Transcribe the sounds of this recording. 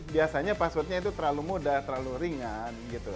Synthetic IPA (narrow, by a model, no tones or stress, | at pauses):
biasaɲapasʊt̪̚ɲait̪ut̪əɾalumodaht̪əɾaluɾiŋanɡit̪u